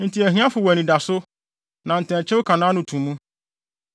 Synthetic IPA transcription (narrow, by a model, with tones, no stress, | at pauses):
n̩˨tʰi˨˦æ˨hĩ˦ã˦fʊ˨wæ˨nĩ˨da˨sʊ˦ | nã˨n̩˨tʰɛ̃˨n˨t͡ɕʰɛ̃˦ʊ˦kʰã˨nãː˦nʊ̃˨tʰũ˨mũ˦